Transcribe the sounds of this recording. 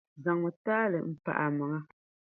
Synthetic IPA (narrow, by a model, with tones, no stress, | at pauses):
za˨ŋɔ˨taː˦lə̰˨m̩˦pa̰˨ʔa˨ma˨ŋa˦